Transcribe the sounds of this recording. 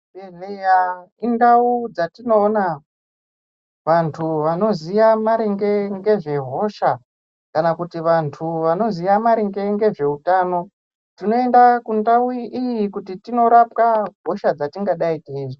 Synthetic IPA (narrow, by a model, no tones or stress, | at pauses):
eneja | indaud͡zatino̞ːna | ʋantʰuʋano̞zijamaɾiŋɡe̞ŋɡe̞ʐe̞ɦo̞ʃa | kanakutiʋantʰuʋano̞zijamaɾiŋɡe̞ŋɡe̞ʐe̞utaːno̞ | tino̞endakundawuʔijikutitino̞ɾapkaɡʱo̞ʃad͡zatiŋɡaɗaitaiːʐi